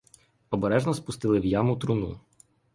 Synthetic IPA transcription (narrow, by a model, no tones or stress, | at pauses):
ɔbeɾɛʒnɔspʊst̪ɪlˠɪwjamʊt̪ɾʊnṵ